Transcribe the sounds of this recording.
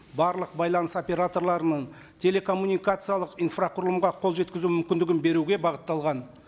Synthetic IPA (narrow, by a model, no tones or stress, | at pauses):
bɑɾlˠəq̚bɑjlˠɑnəso̞pʲe̞ɾat̪o̞rlˠɑɾənəɴ | t̪ʲʰe̞le̞kʰo̞mːunʲijkat̪sɨjalˠəqijnfraqʊɾlˠəmʁɑqʰo̞lˠʒe̞t̪kʲɪzumʏmkʲɪnd̪ɪɡʲɪnbe̞ɾuɡʲe̞bɑʁət̪ːɑlˠʁɑn